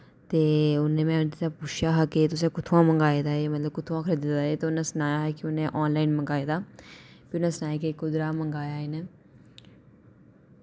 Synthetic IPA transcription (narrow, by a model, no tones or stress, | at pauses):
t̪eːʊnẽːmɛ̃ːʊt̪ãːpuːt͡ʃʰjaːɦaːkɪt̪ʊs̬ẽːkʊt̪ʰõãːməŋɡaːed̪aːeːmət̪ləb̚kʊt̪ʰõãːkʰəɾeːd̪ɪt̪d̪aːeːt̪eʊnãːsənaːjaːɦɛːkɪʊnẽːʔɔːnlaːinməŋɡaːiːd̪aː | pɪʊnẽːsənaːjakekʊd̪ɾaːməŋɡaːjaːɦeːneː